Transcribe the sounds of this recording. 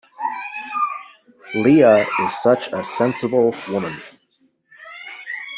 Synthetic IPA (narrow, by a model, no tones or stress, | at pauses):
liəɪz̥sʌt͡ʃəsɛ̃nsəbl̩ˠwʊmə̃n